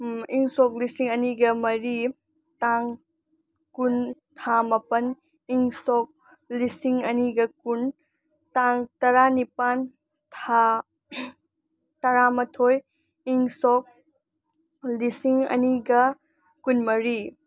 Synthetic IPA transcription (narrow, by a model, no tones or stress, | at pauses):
iŋsɔk̚lisiŋɐniɡɐmɐɾi | taŋ | kuntʰamɐpɐn | iŋsɔk̚ | lisiŋɐniɡɐkun | taŋtɐɾanipan | tʰa | tɐɾamɐtʰoj | iŋsɔk̚ | lisiŋɐ̰niɡɐ | kunmɐɾi